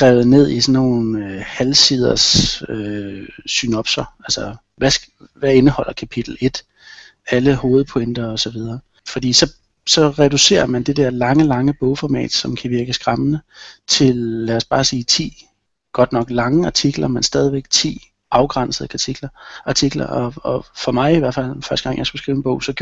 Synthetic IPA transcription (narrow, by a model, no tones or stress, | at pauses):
ɡ̥ʁaːʊð̩ˠne̝ð̰ˠisɒnːo̝ːnøhælsið̞ˠɐsøsynɒ̽b̥sɐælsɐ | ʋæsʋæe̝nəhɒ̽l̰ɐkʰæpʰid̥l̩e̝d̥ | æləho̝ːð̞̩ˠpʰoend̥ɐɒ̽sɒ̽ʋið̞ˠɐː | fɒ̽d̥ḭːsɒ̽ | sɒ̽ʁɛd̥use̝̰ːɐmænd̥e̝d̥eɐ̰lɑ̈ŋəlɑ̈ŋəb̥ɔʊfɒmɛ̰ːd̥sɒ̽mkʰæʋiɐɡ̥əsɡ̥ʁɑmənət͡sʰe̝lːæɒsb̥ɑ̈ːsiːt͡sʰḭː | ɡ̥ɒ̽d̥nɒ̽ɡ̥lɑ̈ŋəɑ̈t͡sʰiɡ̥lɐmensd̥ɛːð̞ˠiʋeɡ̥̚t͡sʰḭː | ʔɑ̈ʊɡ̥ʁɑn̰səð̩ˠkʰæt͡sʰiɡ̥lɐʔɑ̈t͡sʰiɡ̥lɐ̰ɒɒfɒ̽mɑ̈ɪiʋæɐfæl̰fɶɐsd̥əɡ̥ɑ̈ŋ̰jɑ̈ɪsɡ̥usɡ̥ʁiːʊenb̥ɔ̽ʊsɒ̽ɡ̥j